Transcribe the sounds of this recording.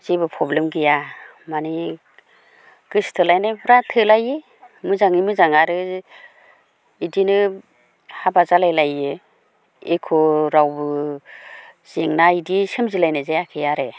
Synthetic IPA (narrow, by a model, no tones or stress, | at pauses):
z̥ebɯpʰɾɔblemɡija | mani | ɡ̥ɯstʰɯlajnabʰɯɾatʰɯlajɯ | mɯzaŋimɯzaŋaɾɯ | idinɯ | habazalajlajɯ | ekʰɔɾawbɯ | z̥eŋnaidisemzilajnɯzejakʰejaɾe